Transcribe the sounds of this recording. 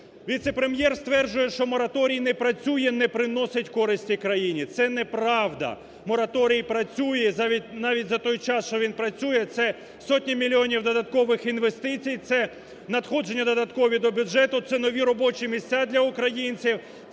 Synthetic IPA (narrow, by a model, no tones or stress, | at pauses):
ʋʲit̪sepɾemjɛrst̪ʋɛrd͡ʒʊjɛʃt͡ʃɔmɔɾɐt̪ɔɾʲijnɛpɾɐt͡sʲujɛnɛpɾɪnɔsʲɐtʲkɔɾɪsʲtʲikɾɐjinʲit̪sɛnɛpɾɑʋd̪ɐ̰ | mɔɾɐt̪ɔɾʲijipɾɐt͡sʲujɛzʲinɑʋʲit̚ʲzɐt̪ɔjt͡ʃɑsʃt͡ʃɔʋʲinpɾɐt͡sʲujɛt̪sɛ | sɔtʲnʲimʲilʲiɔnʲiwd̪ɔd̪ɐt̪̚kɔʋɪxinʋe̞st̪ɪt͡sʲijt̪sɛ | nɐd̪xɔd͡ʒe̞nʲːɐd̪ɔd̪ɐt̪kɔʋʲid̪ɔbʲʊʒɛt̪ʊt̪sɛnɔʋʲiɾɔbɔt͡ʃimʲisʲt͡sʲad̪lʲɐʊkɾɐjinʲt͡sʲiw